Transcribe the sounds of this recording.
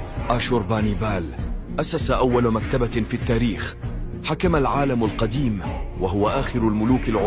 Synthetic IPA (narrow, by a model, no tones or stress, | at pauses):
ʔaːʃuːɾˤbaːnibaːlʔasasaʔawːalmakt̪abafiːt̪ːaːɾiːx | ħakamalʕaːlamalqɑd̪iːmwaɦʊwaʔaːxɪɾalmʊluːkalʕʊ